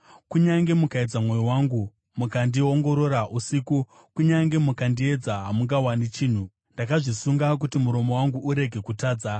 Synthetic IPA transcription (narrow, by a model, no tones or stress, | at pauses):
kuɲaŋɡe̞mukaed͡zamwo̞jiwaːŋɡu | mukandioŋɡo̞ɾo̞ɾaʔusiku | kuɲaŋɡe̞mukandie̞d͡zaɦamuŋɡawanit͡ʃiːn̤u | ndakaʐisuŋɡak̬utimuɾo̞mo̞waŋɡuʔuɾe̞ɡʱe̞kutaːd͡za